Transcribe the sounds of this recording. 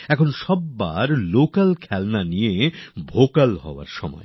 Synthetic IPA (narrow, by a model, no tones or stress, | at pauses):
ɛkʰonʃɔbːaɾlokalkʰɛlnaniebʱokalɦɔ̰oa̰ɾʃɔmɔ̰ḛ